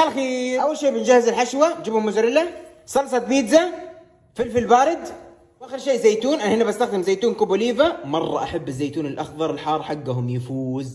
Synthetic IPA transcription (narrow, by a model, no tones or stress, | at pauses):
ʔalxiːʔawːalʃeːbɪnd͡ʒahːɪzɪlħaʃwad͡ʒɪbhʊmːʊd͡ʒɾɪla | sɑlsˤɑt̪̚biːd̪za | fɪlfɪlbaːɾɪd̪ | wʔaːxɪɾʃeːʔzajt̪uːnʔanːhɪnːabast̪axd̪ɪmzajt̪uːnkʊbʊliːvamɑrˤːɑ̰ʔaħabːɪzːaːjt̪uːnɪlʔaxðˤɑɾˤɪlħɑːrˤħaɡːaɦʊmjafuːz